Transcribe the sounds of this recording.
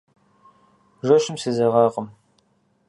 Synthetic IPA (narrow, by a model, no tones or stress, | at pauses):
ʒɐʃɨmsɨzɐʁɑːqəm